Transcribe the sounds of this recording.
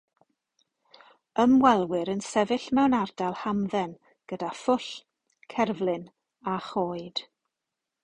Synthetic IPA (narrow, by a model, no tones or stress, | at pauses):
əmwɛlˠwɪɾənsɛvɨɬmɛwnardalˠhamðɛn | ɡ̥ədafʊɬ | kʰɛrvlˠɪn | aχoːɨd̥